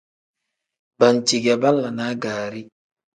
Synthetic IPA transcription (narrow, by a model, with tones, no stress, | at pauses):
ba˨nt͡ʃi˨ɡa˨ba˦lːa˨na˦ɡaː˨ɾi˦